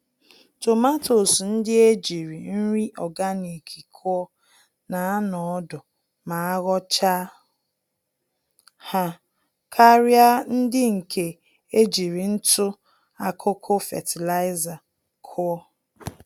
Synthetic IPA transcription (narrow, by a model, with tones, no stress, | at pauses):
to˨ma˦to˨sn̩˦dɪ˦e˦d͡ʒi˨ɾi˨n̩˦ɾi˦ʔɔ˨ɡa˦ni˨kʰi˨kʰʊ˦ɔ˦ | na˨˦a˦nɔ˨ɔ˦dʊ˨ | ma˨a˦ɣɔ˦t͡ʃa˦ | ha˦ | kʰa˦ɾja˦n̩˦dɪ˦ŋ̩˨kʰe˨ | e˦d͡ʒi˨ɾi˨n̩˦tʊ˦ | a˨kʰʊ˦kʰʊ˦fḛ˨tʰi˨la˦ɪ˦za˨ | kʰʊ˦ɔ˦